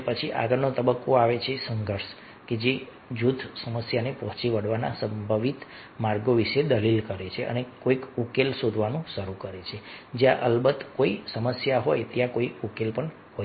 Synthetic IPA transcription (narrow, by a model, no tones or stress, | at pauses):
pət͡ʃʰiʔa̰ɡəɾnot̪əbəkːoaʋet͡ʃʰesəŋɡʱəɾʃ | ked͡ʒe | d͡ʒud̪ʰʱsəməsjanepəɦt͡ʃiʋəɽʋanasəmbʱəʋit̪ | maɾɡoʋiʃed̪əlilkəɾet͡ʃʰeə̰nekoikukelsod̪ʱʋanũʃəɾukəɾet͡ʃʰed͡ʒjãʔəlbət̪koisəməsjaɦojt̪jãkoiukelpəɳ | ho